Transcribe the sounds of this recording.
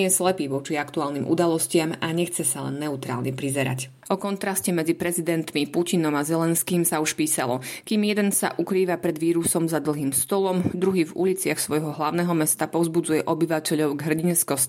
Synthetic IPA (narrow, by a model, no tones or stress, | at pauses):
ɛslɛpiːʋɔt͡ʃiakt̪uaːlnimʔṵd̪alɔscɪamaɲɛxt͡sɛsalɛ̰nːɛut̪ɾa̰ːlɲɛpɾizɛɾa̰c | ɔkɔnt̪ɾascɛmɛd͡zipɾɛzid̪ɛnt̪mipucinɔmazɛlɛnskiːmsauʃpiːsalɔkiːmjɛd̪ɛnsa̰ʔukɾiːʋapɾɛd̪ʋiːɾusɔmzad̪l̩ˠɦiːmst̪ɔlɔmd̪ɾuɦiːvṵlit͡sɪaxsʋɔjɦɔɦlaʊnɛɦɔmɛst̪apɔʊzbud͡zujɛʔɔbiʋacɛʎɔʊɡɦr̩ɟinskɔs